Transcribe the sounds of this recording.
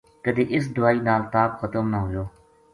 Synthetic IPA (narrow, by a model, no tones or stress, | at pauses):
kəd̪eːʔɪs̬d̪ʊaːiːnaːlt̪aːpxət̪əmnəɦʊjoː